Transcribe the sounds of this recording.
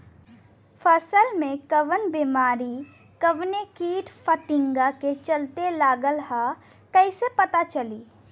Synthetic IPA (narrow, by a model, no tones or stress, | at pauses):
fəsəlmẽkəʋənbiːmaːɾi | kəʋnekiːʈpʰət̪ɪ̃ŋɡaket͡ʃəlt̪elaːɡəlɦa | kɛɪsepɐt̪at͡ʃəliː